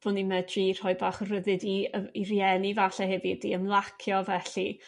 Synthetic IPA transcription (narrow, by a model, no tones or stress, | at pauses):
b̥ʊnimɛdrir̥hɔjbaːχɔrəðɨdiirjɛnivaɬɛɦɛvidḭəmlˠakʰjɔvɛɬi